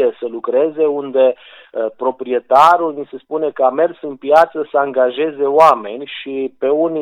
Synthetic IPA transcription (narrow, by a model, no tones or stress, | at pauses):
esəlukɾe̞ze̞und̪e̞ | pɾo̞pɾie̞t̪aɾulnise̞spune̞kəame̞rsɨnpjat̪səsəaŋɡaʒe̞ze̞oame̞nʲʃipe̞uni